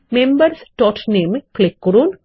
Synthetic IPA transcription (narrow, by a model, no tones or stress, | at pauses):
membəɾsʈɔːʈnemklɪkːɾuːn